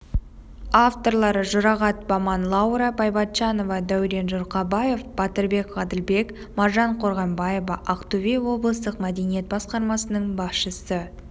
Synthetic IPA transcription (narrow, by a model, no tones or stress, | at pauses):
ɑft̪o̞ɾlˠɑɾəʒʊɾɑʁɑt̪̚bɑmɑnlˠɑwɾɑpʰɑjbɑt̪ʃɑno̞vɑd̪æwɾe̞nʒʊɾqɑbɑje̞fb̥ɑt̪əɾbe̞kʁɑd̪əlbe̞k | mɑɾʒɑɴqʰo̞ɾʁɑmbɑjevɑʔɑqt̪uvʲewo̞blˠəst̪əqmæd̪e̞nije̞t̪̚bɑsqɑɾmɑsənəɴbɑsʃəsə